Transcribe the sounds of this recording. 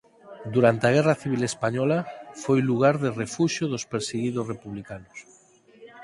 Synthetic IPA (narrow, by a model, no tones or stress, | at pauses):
d̪uɾant̪eaɣ̞ɛraθiβ̞ilespaɲɔlafojluɣ̞aɾðerefuʃoðospeɾseɣiðʊsrepuβlikanʊs